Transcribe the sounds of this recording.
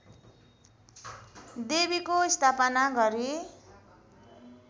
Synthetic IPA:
d̪ebikoist̪ʰapʌnaɡʌɾi

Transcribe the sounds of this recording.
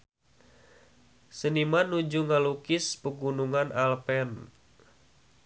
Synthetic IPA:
sənimanud͡ʒuŋalukɪspəɡunuŋanʔalpɛn

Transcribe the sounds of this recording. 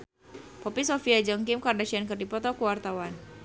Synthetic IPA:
pɔpisɔfiad͡ʒəŋkimkardaʃiankɨrdipɔt̪ɔkuwart̪awan

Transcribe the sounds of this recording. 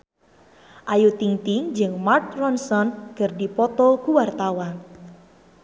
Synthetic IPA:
ʔajut̪iŋt̪iŋd͡ʒɨŋmarkrɔnsɔnɡ̥ərdipɔt̪ɔkuwart̪awan

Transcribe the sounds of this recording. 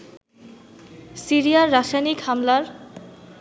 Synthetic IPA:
siɾijaɾːaʃajnikhamlaɾ

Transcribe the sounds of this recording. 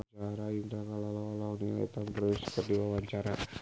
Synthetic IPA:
t͡ʃaɾajiŋt̪akalalalaniɛ̰t̪ampɾskərdiwawaɲt͡ʃaɾa

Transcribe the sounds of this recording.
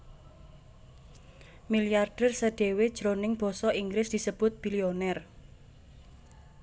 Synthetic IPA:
miliarɖ̥ɛrsəɖ̥e̤wed̥ʒ̥ɾonɪŋb̥ɔ̤sɔiŋɡɾɪsd̪̥i̤səb̥ʊt̪̚b̥ilionɛr

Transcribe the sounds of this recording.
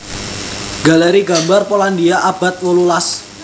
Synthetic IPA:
ɡ̥aleɾiɡambarpolandiaʔab̥a̤t̪̚wolulas

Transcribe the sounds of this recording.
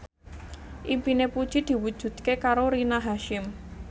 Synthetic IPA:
ʔimpinepud̥ʒ̥id̪̥i̤wud̥ʒ̥ṳd̪̥̚kekaɾoɾinaɦaʃɪm

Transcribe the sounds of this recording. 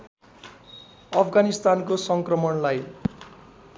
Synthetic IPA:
ʌpʰɡanist̪ankosʌŋkrʌmʌnlaj

